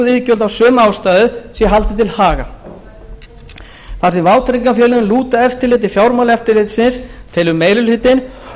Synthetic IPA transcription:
ʏðiðcœlt̪awsœːmaːwst̪aːðʏsɛɛɦalt̪ɪt̪ʰɪlhaːɣa̰ | θasɛmvaːwt̪ʰɾiŋkafjɛːlɪnʏnluːt̪aɛft̪ɪɾlɪːt̪̬ɪfjawɾmalɛft̪ɪɾlɪːt̪sɪnst̪ʰɪlʏmːeːjɾʏlhɪt̪ɪn

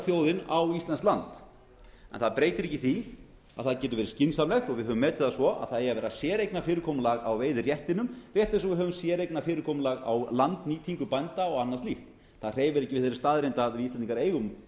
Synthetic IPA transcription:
θjoːwðɪnawist̪lɛnsklant̪ | ɛ̰nθaðpɾeːjt̪ɪɾɛhcːɪθi | a̰ðθaðcɛːt̪ʏɾvɛɾɪ̥scɪnsamlɛxt̪ɔɣvɪðɦœːvʏmːɛːt̪ɪ̥asvɔʔa̰ðθaðejavɛːɾasjɛːɾejknafɪːɾɪɾkʰɔːmʏlaɣa̰wveːjðɪrjɛht̪ɪnʏmrjɛht̪ɪsɔɣvɪðɦœːvʏmsjɛːɾejknafɪːɾɪɾkʰɔːmlaɣa̰wlant̪niːt̪ʰiŋkʏpajnt̪aɔɣanːast̪lift̪ | θaðr̥eːjvʏɾɛhcːɪvɪðθeːɾɪ̥st̪aːðɾejnt̪aðɪist̪ɛniŋkaɾeːjɣʏm

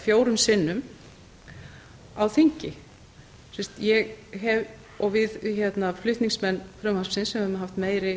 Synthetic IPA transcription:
fjoːwɾʏmsɪnːʏm | awθiɲcɪ | sɛst̪jɛɣɦɛv | ɔɣvɪðçɛt̪naflʏht̪niŋsmɛnːfɾœːmanspsɪnsɛmɛvmɦaft̪meːjɾɪ

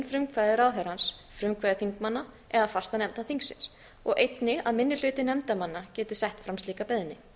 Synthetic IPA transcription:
nfɾʏmkʰvajðɪɾaːwɦœɾansfɾʏmkʰvaːðɪθiŋkmanːa | ɛðafast̪anɛmt̪aθiŋksɪ̰ns | ɔɣʔejt̪nɪaðmɪnːɪl̥ʏːt̪ɪnɛmt̪amanːacɛːt̪ɪ̥sɛjht̪fɾamst̪liːkapɛðɪnːɪ

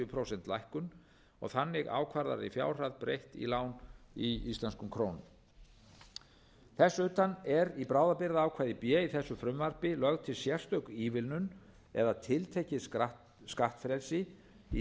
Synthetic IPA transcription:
ʏpʰɾowsɛnt̪lajhkʏn | ɔ̰ɣθanːɪɣa̰ːwkʰvaɾða̰ɾɪfja̰ːwr̥aðpɾejht̪ḭlaːwniist̪lanskʏmkʰɾoːwnʏm | θɛsːʏːt̪anɛɾipɾaːwðapɪɾðaaːwkʰvaːjðɪpjɛːiθɛsːʏfɾʏmvar̥pɪlœɣt̪ʰɪlsjɛr̥st̪œɥkiːvɪlnʏn | ɛðat̪ʰɪlt̪ʰejcɪ | skaht̪fɾɛlsɪ | i

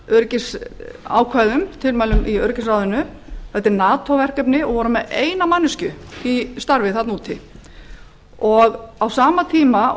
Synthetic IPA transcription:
œɾcɪsa̰ːwkʰvaːjðʏmt̪ʰɪlmaːjlʏmʔiœɾcɪnsraːwðʏnʏθɛht̪ːɪɾnaːt̪ʰowvɛr̥kœp̬nɪɔɣvɔːɾʏmɛðeːjnamanːʏscʏist̪aɾvɪθat̪nuːt̪ʰɪ | ɔɣawsaːmat̪ʰiːma

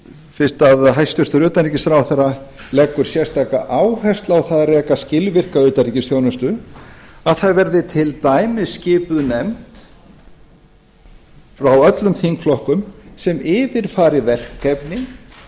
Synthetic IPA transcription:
fɪnst̪aðɦajst̪ʏr̥t̪ʏɾʏːt̪anriːcɪsθɾaːwθɛrːalɛkːʏɾ̥sjɛr̥st̪aːka̰ʔaːwhɛst̪lawθaðrɛːkascɪlvɪr̥kaʏːt̪anricɪsθjoːwnʏst̪ʏ | aðθaðvɛɾðɪt̪ʰɪlt̪aːjmɪscɪːpʏðnɛmt̪ | fɾawœt̪lʏmt̪ʰiŋkflɔhkʏmsɛmɪːvɪɾ̥faːɾɪvɛl̥kʰːɛpnɪ

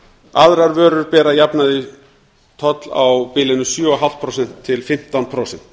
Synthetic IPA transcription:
aðɾaɾvœːɾʏɾpɛːɾajapnaðɪ | t̪ʰɔt̪la̰wpɪlɪnʏsjœɔɦal̥t̪̚pʰɾowsɛn̥t̪ʰːɪlfɪm̥t̪anpʰɾoːwsɛn̥t̪

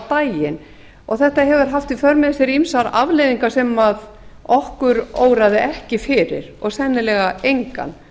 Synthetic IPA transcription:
t̪aːjɪn | ɔɣθɛht̪aɦɛvʏɾ̥ɦaft̪ifœɾmɛðsɛɾimsaɾavlejðiŋkasɛmað | ɔhkʏɾoːwɾaðɪʔɛhcɪfɪɾɪ̰ɾ̥ɔɣsɛnːɪlɛɣaejŋka̰n

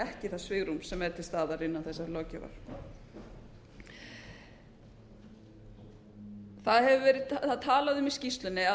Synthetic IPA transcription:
ɛhcɪθaðsvɪɣɾumsɛmɛɾt̪ʰɪlst̪aːðaɾɪnːavθɛsːaɾlɔːcɛ̰va̰ɾ̥ | θaðhɛvʏvɛːɾɪðθaðt̪ʰaːlaðɪʏmɪscist̪lʏnːɪa

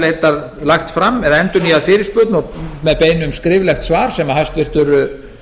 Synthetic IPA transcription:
lejt̪aðlaxt̪fɾamːɛðaɛnt̪ʏniaðfɪːɾɪspœːt̪nɔmɛðpeːjnʏmskɾɪːvlɛxt̪svaːɾ̥sɛmahajst̪vɪr̥t̪ʏɾʏ

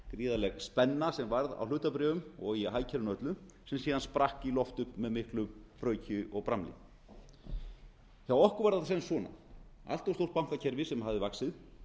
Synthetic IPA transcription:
kɾiːðalɛɣspɛnːasɛmvaɾða̰wlʏːt̪apɾɛːvʏmɔɣiɦaːjcʰɛɾʏnœt̪lʏ | sɛmsiːðanspɾahkilɔft̪ʏhpmɛðmɪhklʏmpɾœːɥcʰʏʔɔɣpɾamlɪ̰ | θjawɔhkʏɾvaɾðaθasɛnsvɔːna̰a̰l̥t̪ɔwst̪owr̥t̪pawŋ̥kacʰɛɾvɪsɛmɦavðɪvaksɪð

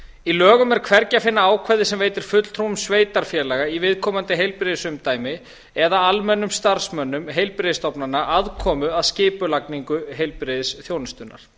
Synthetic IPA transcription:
ilœːɣʏmɛɾ̥kʰvɛɾcafɪnːaaːwkʰvɛɾðɪsɛmveːjt̪ɪɾ̥fʏt̪l̥t̪ʰɾuwʏmsveːjt̪aɾ̥fjɛːlɛːɣaivɪðkʰɔːmant̪ɪɦejlpɾɪðɪsʏmt̪aːjmɪ | ɛðaalmɛnːʏmst̪aɾ̥smœnːʏmɦejlpɾɪðst̪ɔwpnanːaʔaðkʰɔːmʏaðscɪːpʏlakniŋkʏɦejlpɾɪðɪsθjoːwnɪst̪ʏnːa̰ɾ̥

